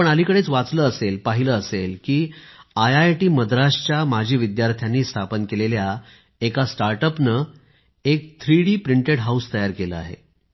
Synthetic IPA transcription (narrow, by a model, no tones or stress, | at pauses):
pəɳalikəɽet͡sʋat͡sləːəselpaɦiləːselkiːajajʈiːməd̪ɾaɕt͡ɕjamad͡ʑʱiːʋid̪jaɾt̪ʰjanːiːst̪ʰapənkelelja | ekasʈaɾʈəpnə | ek̚t̪ʰɾiɽiːpɾiɳʈeɽɦaust̪əjaɾkelə̰a̰ɦḛ